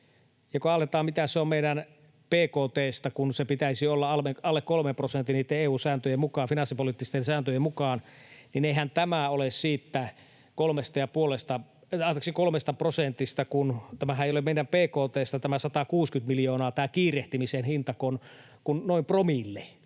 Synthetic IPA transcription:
jɑkoɑlːet̪ɑːmit̪æsseommeiɾæn | peːkoːt̪eːst̪ɑkunsepit̪æisiolːɑɑlmeɑlːekkolmemprosent̪ːˑiniːt̪ːeeːuːsæːnt̪øjemukɑːfinɑsipoliˑt̪ːist̪ensæːnt̪øjemukɑːnnineihænt̪æmæolessiːt̪ːæ | kolmest̪ɑjɑpuolest̪ɑ | ɑˑt̪ɑksikolmest̪ɑprosent̪ist̪ɑkunt̪æmæɦæeijolemeˑiɾæmpeːkoːt̪eːst̪ɑt̪æmæsɑt̪ɑkuːskyt̪miljoːnɑːt̪æːkiːreht̪imisenhint̪ɑkon | kunnoimpromilːe

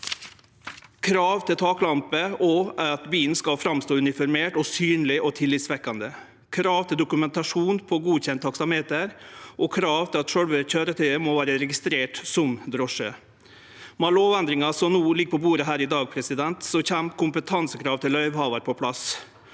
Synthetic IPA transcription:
kʰɾɑːʋt̪ʰɪlt̪ʰɑːklɑmpəɔɑt̪biːnskɑlfɾɑmst̪oːʉnɪfɔɾmeːʈɔsyːnlɪʔɔt̪ʰɪlːɪt̪sʋɛkːɑnd̪ə | kʰɾɑːʋt̪ʰɪld̪ʊkʉmɛnt̪ɑʂuːnpʰɔɡuːçɛnt̪ʰːɑksɑmeːt̪əɾʔɔkʰɾɑːʋt̪ʰɪlɑt̪ʂœlʋəçøːɾət̪ʰœəmɔʋæːɾəɾɛɡɪst̪ɾeːʈsɔmd̪ɾɔʂə | mɑloːʋɛnd̪ɾɪŋɑsɔnuːlɪɡəpʰɔbuːɾəɦæːɾɪd̪ɑːɡ̚pʰɾɛsɪd̪ɛnt̪sɔçæmkʰʊmpət̪ʰɑnsəkʰɾɑːʋt̪ɪlœʏʋhɑːʋɑɾpʰɔpʰlɑs

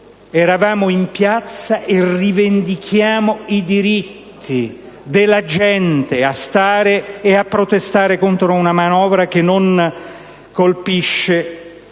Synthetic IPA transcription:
ɛɾavaːmoimpjat̪sːaʔerivend̪ikʰjaːmoid̪iɾit̪ʰːi | d̪elːad͡ʒɛnt̪east̪aːɾeːapːɾot̪est̪aːɾekont̪ɾounamanɔːvɾak̟enːon | kolpiʃːe

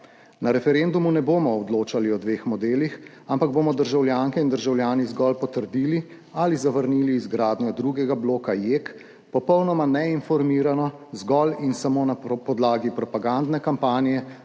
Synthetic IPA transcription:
naɾɛfɛɾeːnd̪umunɛboːmɔːd̪loːt͡ʃaliɔd̪ʋeːxmɔd̪eːlix | ampaɡ̚bomɔd̪əɾʒawljaːŋkɛind̪əɾʒawljaːnizɡɔlpɔt̪əɾd̪iːli | alizaʋəɾniːliːzɡɾaːd̪njɔd̪ɾuɡɛɡabloːkajek | pɔpɔwnɔmanɛinfɔɾmiːɾanɔzɡɔlinsamoːnapɔd̪laːɡipɾɔpaɡand̪nɛkampaːnijɛ

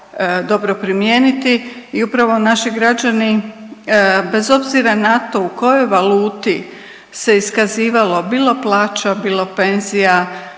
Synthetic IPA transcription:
d̪o̞bɾo̞pɾimje̞ːnit̪iːupɾaʋo̞naʃiɡɾad͡ʒani | be̞zo̞bziɾanat̪o̞uko̞jo̞jʋaluːt̪i | se̞iskaziːʋalo̞biːlo̞plˠaːt͡ʃabiːlˠo̞pe̞nzija

